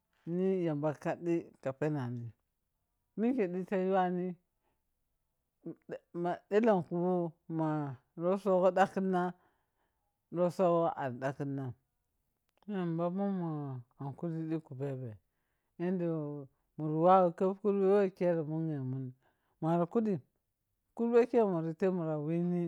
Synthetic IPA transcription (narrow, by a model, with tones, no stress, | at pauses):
ni˦ja˨mba˨ka˦di˦ka˨pe˦na˨ni˨ | mi˦ke˨di˦ta˦ju˦wa˦ni˦˨ | ma˨di˦la˨n˨ku˦bu˦ma˨ | ɾo˦so˦ɣo˦da˦ki˦nːa˦ | ɾo˦so˦ɣo˦ʔa˨ɾda˦ki˦nːa˦ | m˦e˦m˨ba˦mu˦mo˨a˨nku˦di˦di˦ku˨be˦be˨ | e˦ndi˨ | mu˨ɾi˨wa˦wka˦ku˦ɾbe˦we˦ke˦ɾa˨mu˦ŋe˨mu˦n | ma˨ɾi˨ku˦di˨ | ku˦ɾbe˦ke˦mu˨ɾi˨te˦mu˨ɾa˨wi˦ni˦